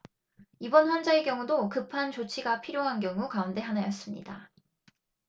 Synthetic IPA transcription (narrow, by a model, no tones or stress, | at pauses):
ibʌnɸwʌnd͡ʑaekjʌŋudokɯpʰant͡ɕot͡ɕʰiɡapʰiɾjoɦanɡjʌŋukaunde̞ɦanajʌs͈ɯmɲḭda